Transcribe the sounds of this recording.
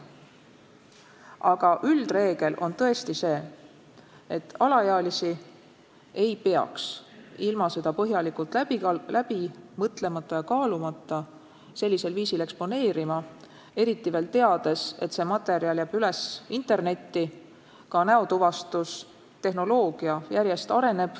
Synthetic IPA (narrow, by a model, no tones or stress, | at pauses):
ɑɡ̥ɑʔyld̪̥re̞ːɡ̥e̞lʔo̞̰nt̪ɤ̞e̞st̪ise̞ː | et̪ːɑlɑjeɑlisi | e̞jpe̞ɑ̰ksilmɑse̞d̪̥ɑpɤɦjɑlikult̪læb̥imɤt̪le̞mɑt̪ˑːɑjɑkɑːlumɑt̪ːˑɑ | se̞lʲːise̞lviːsile̞kspo̞ne̞ːɾimɑ | e̞ɾit̪ːive̞ːlt̪e̞ɑd̪e̞se̞t̪ːse̞mɑt̪ːe̞ɾiɑljæb̥yle̞sint̪e̞rne̞t̪ːi | kɑnæot̪uvɑst̪us | t̪e̞hno̞lo̞ːɡ̥iɑjæɾje̞st̪ɑɾe̞ne̞b̥